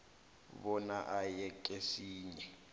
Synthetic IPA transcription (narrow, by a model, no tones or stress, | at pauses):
βɔnaʔajɛkʼesiːɲɛ